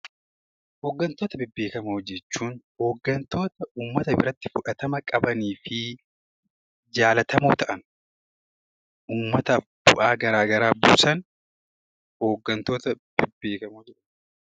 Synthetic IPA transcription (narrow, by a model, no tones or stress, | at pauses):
hoːɡːɐnt̪oːt̪ɐbɪbːeːkɐmod͡ʒːɛt͡ʃːuːnho̞ːɡːɐnt̪o̞ːt̪ɐʔuːmːɐt̪ɐbɪ̰ɾɐt̪ːɪfʊᶑɐt̪ɐmɐkʼɐbɐniːfɪ | d͡ʒaːlɐt̪ɐmṵːt̪ɐʔɐn | uːmːɐt̪ɐb̥ʊ̰ʔaːɡɐɾaːɡɐɾaːbṵːsɐn | ho̞ːɡːɐnt̪o̞ːt̪ɐ | b̥ɪbːe̞ːkɐmoːd͡ʒɛʔ